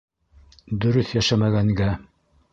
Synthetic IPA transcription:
d̪ɵ̆ɾɵθjæʃæmæɡæŋɡæ

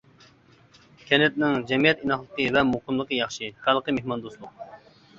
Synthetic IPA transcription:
kʲʰɛnɛt̪nɪŋd͡ʒɛmijɛt̪inɑχlˠəqəvɛmoqəmlˠəqəjɑχʃɨχælˠqəmehmɑnd̪oslˠʊq̚

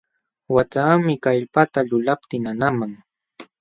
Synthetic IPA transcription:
wat͡ʃaːmɪkaʎpat̪aʎʊlap̚t̪ɪnanamaŋ

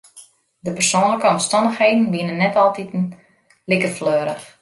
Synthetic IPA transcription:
dəpərsoːnləkəɔmstɔndəxheːdn̩binənːɛtɔlˠtit | lɪkəfløːɾəx

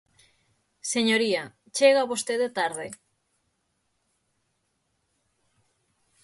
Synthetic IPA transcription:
seɲoɾia | t͡ʃeɣaːβost̪eðet̪aɾðe

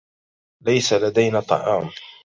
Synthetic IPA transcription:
lajsalad̪ajnaːt̪ˤːɑ̰ʕɑːm

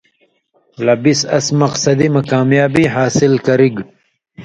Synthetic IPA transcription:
lɐbisɐ̰smɐqsɐd̪imɐkaːmjaːbiɦaːsilkɐɾiɡ

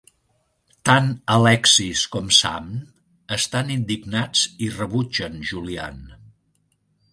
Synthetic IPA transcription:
t̪anəlɛksiskɔmsa̰m | əst̪anind̪iɡnad͡zirəβud͡ʒənʒulia̰n

